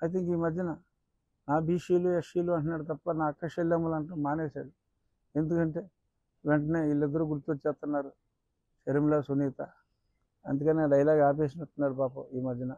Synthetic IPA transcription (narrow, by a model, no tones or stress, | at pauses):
ɐjt̪̬iŋkiːmɐd̪ʱjɐnɐ | naːbiːʂiːlueʂiːluɐɳʈunaːɽut̪ɐpːɐnaːɐkːɐʃelːɐmulɐɳʈoːmmaːneːsa̰ːɽu | e̞nd̪ukɐɳʈe̞ː | ʋeɳʈɐne̞ːilːid̪ːɐɾuɡuɾt̪uot͡ʃːɛːpt̪ːunːaːɾu | ʃɐɾimilɐsuniːt̪ɐ | ɐnd̪ukɐneːɖɐjlaːɡaːp̬eːʃ̬ɐmɐt̪ːunːaːɽupaːpuiːmɐd̪ʱjɐnɐ